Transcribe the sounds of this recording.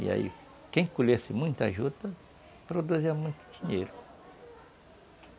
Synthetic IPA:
ḭa̰ḭ | kẽj̃kuʎesɪmũj̃t̪aʒud̪ɐ | pɾod̪uziɐmũj̃t̪ʊ̥d͡ʒĩɲejɾʊ

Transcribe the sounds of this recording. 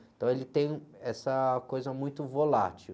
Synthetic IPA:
ẽt̪ɐ̃w̃elɪt̪ẽj̃ɛsɐkojzɐmũj̃t̪ʊvola̰t͡ʃi

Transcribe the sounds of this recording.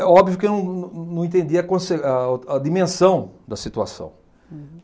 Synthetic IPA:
ɛɔbvijʊkenɐ̃w̃ññnɐ̃w̃ẽnt̪ẽnd̪iɐkõseaɐd̪imẽsɐ̃w̃d̪ɐsit̪ua̰sɐ̰̃w̃

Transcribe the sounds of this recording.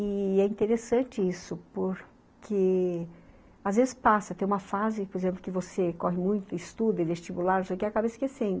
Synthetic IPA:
ɪɛĩnt̪eɾesɐ̃t͡ʃɪisʊpoɾ | kʰe | azvezɪspasɐt̪ẽj̃ũmɐfazɪpoɾezẽplʊkɪvosekɔɦɪmũj̃t̪ʊɪst̪ud̪ɐɪvest͡ʃibulaɾnosekɪakabɐɪskesẽnd̪ʊ

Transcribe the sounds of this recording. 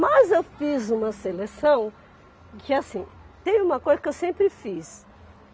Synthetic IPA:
mɐzewfizũmɐselesɐ̃w̃ | kɪasĩt̪ẽjʊ̃ũmɐkojzɐkewsẽmpɾɪfis

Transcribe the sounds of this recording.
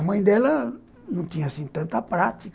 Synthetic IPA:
mɐ̃j̃d̪ɛlɐ | nɐ̃w̃t̪ĩɲɐasĩt̪ɐ̃nt̪ɐpɾat̪ik

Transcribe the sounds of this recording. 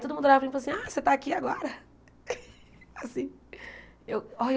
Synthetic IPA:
t̪od̪ʊmũd̪ʊɾavfɾĩflasĩaset̪aːkiaɡɔɾɐ | asĩ | ewo

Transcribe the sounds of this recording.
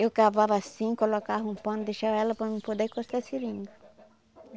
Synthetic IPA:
ewkavavɐasĩkolokavũpɐ̃nd̪ejʃavɐɛlɐpɾɐmɪ̃pod̪ekost̪asiɾĩnɡʊ

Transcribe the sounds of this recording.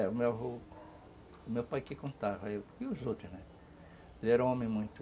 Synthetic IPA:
ɛʊmewɦo | ʊmewpajkɪkõnt̪avɐewkiʊzowt̪ɾʊznɛ | lɛɾɐ̃õmẽj̃mũj̃t̪ʊ

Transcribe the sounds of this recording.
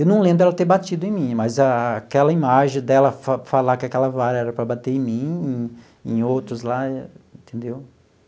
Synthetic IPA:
ewnɐ̃w̃lẽbɾʊɛlɐt̪eɾbat͡ʃid̪ʊẽj̃mĩmɐzɐkɛlɐimaʒẽj̃d̪ɛlɐfafalakɪakɛlɐvaɾɐɛɾɐpɾɐbat̪eɾẽj̃mĩẽ | ẽj̃owt̪ɾʊzlaẽt̪ʰẽnd̪ew

